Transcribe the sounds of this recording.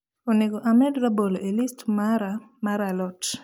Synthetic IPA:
oneɡoʔamɛdɾaboloʔelistmaɾamaɾalɔt

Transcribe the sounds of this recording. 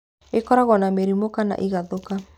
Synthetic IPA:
ekɔɾaɣɔnameɾimokana̰ʔiɣaðoka

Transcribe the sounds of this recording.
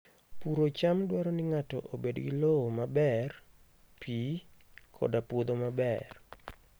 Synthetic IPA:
puɾot͡ʃamdwaɾɔnɪŋatɔ̰ʔobedɡilowomabɛr | pikʰɔ̰dapwod̪omabɛr

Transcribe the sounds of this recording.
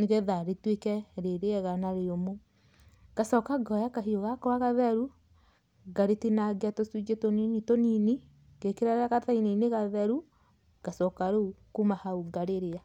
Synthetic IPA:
neɣeðaɾetwekɛɾeɾeɛɣanaɾeɾomo | ɡ̥asɔkaɡɔjakaɦioɣakɔaɣaðɛɾu | ɡaɾetinaɡeatosud͡ʒetoninitonini | ɡ̥ekeɾaɾaɣataineineɣaðɛɾu | ɡ̥asɔkaɾokumahauɡaɾeɾea

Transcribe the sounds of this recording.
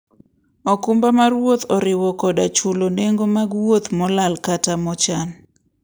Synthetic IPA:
ɔkʊmbamarwot̪ɔɾɪwɔkɔdat͡ʃuloneŋɡomaɡwot̪mɔlalkatamɔt͡ʃan

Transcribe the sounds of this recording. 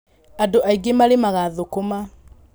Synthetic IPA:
adoʔaiɡemaɾemaɣaðokoma

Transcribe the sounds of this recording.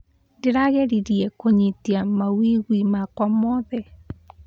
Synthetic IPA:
ndeɾaɣeɾiɾiɛkoɲitiamawiɣwimakwamɔðɛ

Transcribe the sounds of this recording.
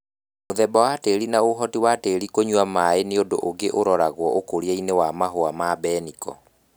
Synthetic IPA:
moðɛbɔwateːɾinaoɦɔtiwateːɾikoɲwamaeneodoʔoɡeʔoɾɔɾaɣwɔʔokoɾiainewamaɦoamabɛnikɔ̰

